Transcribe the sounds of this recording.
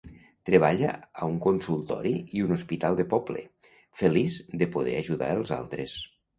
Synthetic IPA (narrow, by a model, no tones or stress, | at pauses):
t̪ɾeβ̞aʎaauŋkonsulˠt̪ɔ̰ɾiiunospit̪alˠd̪əpɔblḛ | fəlizd̪əpoðɛ̰aʒuða̰əlˠza̰lˠt̪ɾes